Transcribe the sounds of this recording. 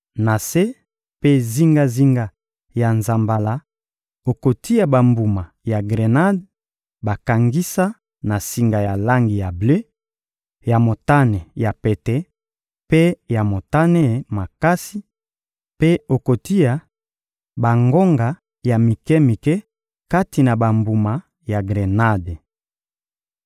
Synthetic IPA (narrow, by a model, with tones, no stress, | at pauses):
na˨se˦ | pe˦zi˦ŋɡa˦zi˦ŋɡa˦ | ja˨nza˨mba˨la˦ | o˨ko˨ti˦ja˨ba˨mbu˨ma˨ | ja˨ɡʁe˨na˦d | ba˨ka˨ŋɡi˦sa˦ | na˨si˨ŋɡa˨ja˨la˦ŋɡi˨ja˨ble˦ | ja˨mo˨ta˦nɛ˨ja˨pe˨tɛ˦ | pe˦ja˨mo˨ta˦nɛ˦˨ma˨ka˦si˦ | pe˦o˨ko˨ti˦ja˨ | ba˨ŋɡo˦ŋɡa˨ | ja˨mi˨kɛ˦mi˨kɛ˦ | ka˦ti˨na˨ba˨mbu˨ma˨ | ja˨ɡʁe˨na˦de˨